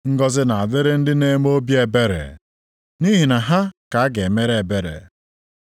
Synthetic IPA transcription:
ŋ̩˦ɡɔ˦zɪ˦na˨a˨de˦ɾe˦n̩˦dɪ˦ne˦m˦o˦bje˨be˦ɾḛ˨ | ni˦ɦi˨na˨ɦa˦ka˨a˦ɡe˨me˦ɾe˨e˨be˦ɾḛ˨

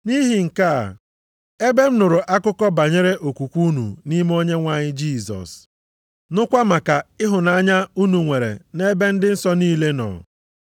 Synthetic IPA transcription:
ni˦ɦi˨ŋ̩˨ka˦a̰˨ | e˦be˦m̩˦nʊ˨ɾʊ˨ʔa˦kʊ˦kɔ˦ba˨ɲe˦ɾe˦ʔo˨kʷu˨kʷu˦nṵ˨ni˦m˦o˦ɲe˦ŋʷa˨ɲɪ˦d͡ʒi˦˨sɔ̰˨s | nʊ˦kʷa˦ma˨ka˨ɪ˦ɦʊ˨na˦a˦ɲa˦u˦nu˨ŋʷe˨ɾḛ˨ne˦be˦n̩˦dɪ˦n̩˦sɔ˦niː˦le˦nɔ̰˨

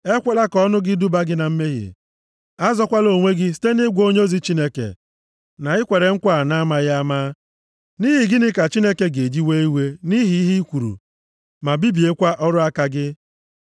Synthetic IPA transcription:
e˦kʷe˦la˦kɔ˦nʊ˦ɡɪ˦du˦ba˦ɡɪ˦na˨m̩˦me˦ɦjḛ˨ | a˦zɔ˦kʷa˦lo˨ŋʷe˦ɡɪ˦s̬i̥˦te˦nɪ˦ɡʷo˦ɲ˦o˦zi˨˦t͡ʃi˦ne˦kḛ˨ | na˨ɪ˦kʷe˨ɾe˨ŋ̩˦kʷa˦˨na˦ma˦ja˦maː˦ | ni˦ɦi˨ɡɪ˦nɪ˦ka˨t͡ʃi˦ne˦ke˦ɡe˨d͡ʒi˦we˦i˦we˦ni˦ɦi˨i˦ɦi˦kʷu˨ɾṵ˨ | ma˨bi˦bi˨e˦kʷa˦ʔɔ˦ɾʊ˦a˦ka˦ɡɪ˦

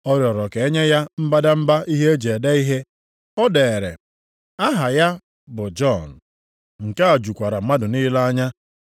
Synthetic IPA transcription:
ɔ˦ɾjɔ˨ɾɔ˨ke˨e˦ɲe˦ja˦m̩˦ba˦da˦m̩˦ba˦ʔi˦ɦe˦e˦d͡ʒe˨de˦i˦ɦe˦ | ɔ˦de˨e˨ɾe˨ | a˦ɦa˨ja˦ | bʊ˨d͡ʒɔ˦˨n̩˨ | ŋ̩˨ka˦a˨d͡ʒu˨kʷa˨ɾa˨˦ma˦dʊ˨niː˦la˦a˦ɲa˦

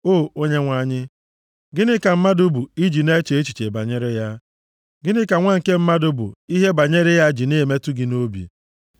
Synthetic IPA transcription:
oː˦˨o˦ɲe˦ŋʷa˦˨ɲɪ˦ | ɡɪ˦nɪ˦ka˨m̩˦ma˦dʊ˦bu˨i˦d͡ʒi˨ne˦t͡ʃe˨e˦t͡ʃi˨t͡ʃe˨ba˨ɲe˦ɾɪ˦ja˦ | ɡɪ˦nɪ˦ka˨ŋʷa˦ŋ̩˨ke˦m̩˦ma˦dʊ˦bṵ˨i˦ɦe˦ba˨ɲe˦ɾɪ˦ja˦d͡ʒi˨ne˦˨me˦tu˦ɡɪ˨no˦bḭ˨

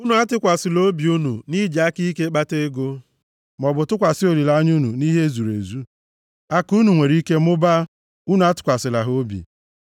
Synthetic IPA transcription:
u˦nu˦a˦tɪ˦kʷa˨sɪ˨lo˦bi˨u˦nṵ˨ni˦d͡ʒa˦ki˦ke˦k͡pa˦te˦ɡo˦ | m˨ɔ˨bʊ˨tʊ˦kʷa˨sɪ˦o˨ɾi˨la˨˦ɲu˦nu˨ni˦ɦe˦zu˨ɾḛ˨zu˦ | a˦ku˦nu˨ŋʷe˨ɾi˦ke˦mʊ˦ba˦ | u˦nu˨˦a˦tɪ̥˨kʷa˨sɪ˨la˨ɦo˦bḭ˨

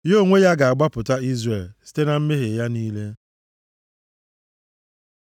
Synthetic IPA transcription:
jo˦˨ŋʷe˦ja˦ɡa˨a˨ɡ͡ba˦pʊ˨ta˦i˦zre˨lsi̥˦te˦na˨m̩˦me˦ɦe˨ja˦niː˦le˦

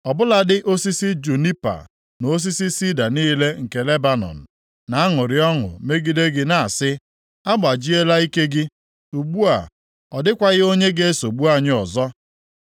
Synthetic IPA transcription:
ɔ˨bʊ˦la˦dɪ˦ʔo˦si˦si˦d͡ʒu˨ni˦pa̰˨ | no˨o˦s̬i˦si˦si˦da˨niː˦le˦ŋ̩˨ke˨le˦ba˨nɔ̰˨n̩˨ | na˨a˦ŋʊ˨ɾɪ˨ɔ˦ŋʊ̰˨me˦ɡi˦de˦ɡɪ˦na˨a˨sɪ˦ | a˦ɡ͡ba˨d͡ʒi˦e˦la˦i˦ke˦ɡɪ˦ | u˨ɡ͡bu˦a̰˨ | ɔ˨dɪ˦kʷa˨ɣɪ˦o˦ɲe˦ɡe˦e˦so˨ɡ͡bu˦a˦ɲɪ˦ɔ˨zɔ˦

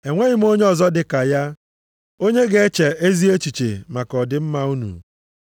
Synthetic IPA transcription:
e˨ŋʷe˦ɣɪ˦m̩˦o˦ɲe˦ɔ˨zɔ˦dɪ˨ka˨ja˦ | o˦ɲe˦ɡe˦e˦t͡ʃe˨e˦zi˦e˦t͡ʃi˨t͡ʃḛ˨ma˨kɔ˨dɪ˦m̩˦ma˦u˦nṵ˨

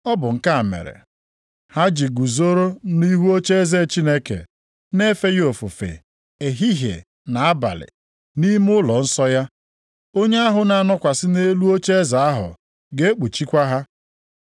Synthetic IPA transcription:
ɔ˦bʊ˨ŋ̩˨ka˦a˨mḛ˨ɾḛ˨ | ha˦d͡ʒi˨ɡu˨zo˦ɾo˦ni˦ɦu˦o˦t͡ʃe˦ze˦˨t͡ʃi˦ne˦kḛ˨ | ne˦fe˦jo˨fu˨fḛ˨ | e˨ɦi˦ɦḛ˨ | na˨a˦ba̰˨lɪ̰˨ | ni˦m˦ʊ˦lɔ˨n̩˦sɔ˦ja˦ | o˦ɲe˦a˦ɦʊ˨na˨a˨nɔ˦kʷa˨sɪ˦ne˦lu˦o˦t͡ʃe˦e˦za˨a˦ɦʊ̰˨ | ɡe˦k͡pu˨t͡ʃi˦kʷa˦ɦa˦

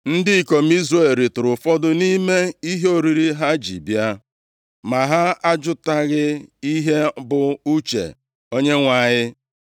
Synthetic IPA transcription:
n̩˦dɪ˦i˨ko˨m̩˦i˦zɾe˨ɾi˨tʊ˨ɾʊ˨fɔ˦dʊ˦ni˦me˦i˦ɦe˦o˦˨ɾi˨ɾi˦ɦa˦d͡ʒḭ˨bja˦ | ma˨ɦa˦a˦d͡ʒʊ˦ta˦ɣɪ˦i˦ɦe˦bʊ˨u˦t͡ʃḛ˨ | o˦ɲe˦ŋʷa˨ɲɪ˦

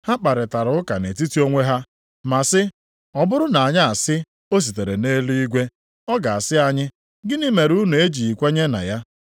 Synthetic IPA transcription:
ha˦k͡pa˨ɾɪ˨ta˨ɾʊ˦ʊ˦ka˨ne˨ti˦ti˦o˦ŋʷe˦ɦa˦ | ma˨sɪ˦ | ɔ˨bʊ˦ɾʊ˦na˨a˨ɲa˦a˨sɪ˦ | o˦s̬i˨te˨ɾe˨ne˦li˦i˦ɡʷe˦ | ɔ˦ɡa˨a˨sɪ˦a˦ɲɪ˦ | ɡɪ˦ni˦me˨ɾu˦nu˨e˦d͡ʒi˨i˨kʷe˦ɲe˦na̰˨ja˦

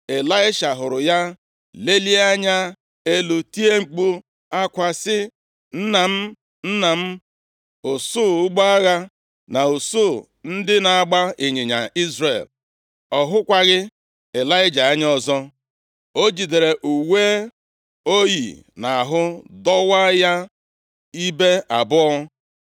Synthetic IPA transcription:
e˨la˦ɪ˦ʃa˨ɦʊ˨ɾʊ˨ja˦ | le˦li˦a˦ɲa˦ | e˦lu˨ti˦e˦ŋ͡m̩˨k͡pu˦ | a˦kʷa˨sɪ˦ | n̩˦na˨m̩˦ | n̩˦na˨m̩˦ | ʊ˨su˦˨ʊ˦ɡ͡ba˦a˦ɣa˦ | na˨u˨so˦˨ | n̩˦dɪ˦na˨a˨ɡ͡ba˦e˨ɲe˨ɲa˨i˦zre˨l | ɔ˨ɦʊ˦kʷa˦ɣɪ˦ | e˨la˦ɪ˦d͡ʒa˨a˦ɲ˦ɔ˨zɔ˦ | o˦d͡ʒi˨de˨ɾe˨ʔu˨we˦ | o˦jḭ˨na˨a˨ɦʊ˦dɔ˦wa˦ja˦ | i˦be˦a˨bʊ˦ɔ˦

